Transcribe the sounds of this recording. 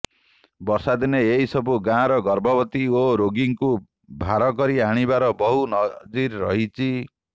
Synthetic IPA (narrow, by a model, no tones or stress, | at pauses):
bɔɾsad̪ineeɦisɔbuɡãɾɔɡɔɾbʱɔbɔt̪ioɾoɡiŋku | bʱaɾɔkɔɾiaɽ̃ibaɾɔbɔɦunɔd͡ʒiɾːɔ̰ɦit͡ʃʰi